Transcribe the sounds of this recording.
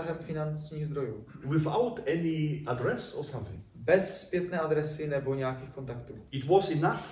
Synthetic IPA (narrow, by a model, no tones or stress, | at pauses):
aɦɛmfɪnant͡ʃɲiːɣzd̪ɾo̞juː | wɪθaʊtɛniadɹɛsɔsãmθɪ̰̃ŋ | bɛsspjɛt̪nɛːad̪ɾɛsɪnɛbo̞ɲɛjakiːxko̞nt̪akt̪uːɪtwɔzɪnaf